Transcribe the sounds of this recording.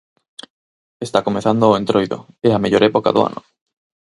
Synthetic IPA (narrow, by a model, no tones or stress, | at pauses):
est̪akomeθand̪ooent̪ɾojðo̰ | eameʎoɾepoka̰ðo̰a̰nʔo̰